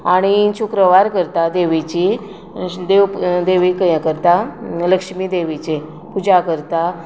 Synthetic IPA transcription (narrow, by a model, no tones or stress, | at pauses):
aɽ̃iɕukɾəʋaɾkəɾt̪ad̪eʋit͡ɕi | d̪eʋd̪eʋikəjakəɾt̪aləkʂmid̪eʋit͡ɕe | pud͡ʑakəɾt̪a